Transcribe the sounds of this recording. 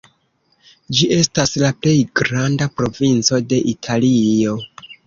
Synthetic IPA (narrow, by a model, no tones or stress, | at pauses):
d͡ʒiʔe̞staslaple̞jɡɾandapɾo̞vint͡so̞de̞ʔitʰalio̞